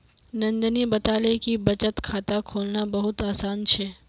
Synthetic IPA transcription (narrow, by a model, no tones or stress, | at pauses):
nɐ̃nd͡ʒənibɐt̪aːlekibɐt͡ʃət̪kʰaːt̪akʰoːlnabɐɦʊt̪aːsaːnt͡ʃʰɛː